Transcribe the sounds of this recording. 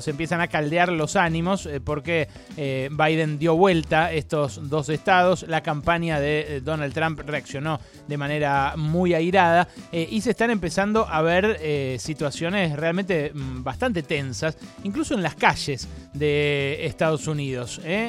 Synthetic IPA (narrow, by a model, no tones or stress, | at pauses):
sempje̞sanakald̪eaɾlo̞sanĩmo̞spo̞ɾke | bajðend̪jo̞βwe̞lt̪aest̪o̞zd̪o̞sest̪að̞o̞slakampaɲjaðed̪o̞nald̪t̪ːɾampreaksjo̞no̞ | d̪e̞mane̞ɾamujajɾaðaʔisest̪ane̞mpe̞sand̪o̞ʔaβ̞eɾesit̪wasjo̞nesrealment̪ebast̪ant̪e̞t̪ensasiŋkluso̞enlaskaʒesðeːst̪aðo̞suniðo̞se